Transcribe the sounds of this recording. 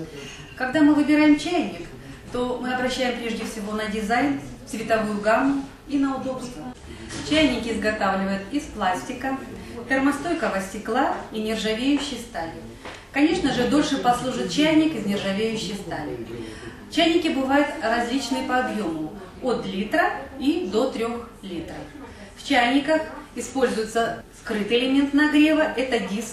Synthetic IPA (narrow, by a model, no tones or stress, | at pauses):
kɐɡd̪amɨvɨbʲɪɾajɪmt͡ɕæjnʲːɪk | t̪o̞mɨɐbɾɐɕːæjɪmpɾʲe̞ʐdʲɪfsʲɪvo̞nədʲɪzajn | svʲɪt̪ɐvujʊɡanːʊ | inəʊd̪o̞pst̪vəʊ | t͡ɕæjnʲɪkʲɪzɡɐt̪avlʲɪvəjʊt̪isplˠasʲtʲɪkəpʲɪrmɐst̪o̞jkəvəsʲtʲɪklˠainʲɪrʐɐvʲejʉɕːɪjst̪alʲɪ | kɐnʲe̞ʂnəʐɨd̪o̞lʲʂɨpɐslˠuʐɨt̪̚t͡ɕæjʲnʲɪkɪznʲɪrʐɐvʲejʉɕːɪjst̪alʲɪ̰ | t͡ɕæjnʲɪkʲɪbɨvajʊt̪rɐzʲlʲit͡ɕnɨjəpɐːbjo̞mʊ | ot̪lʲit̪ɾəid̪o̞t̪ɾʲo̞xlʲit̪ɾəf | ft͡ɕæjnʲɪkəxɪspo̞lʲzʊjɪt̪səskɾɨt̪ɨɪlʲɪmʲe̞nt̪nɐɡɾʲevəʔɛt̪ədʲisk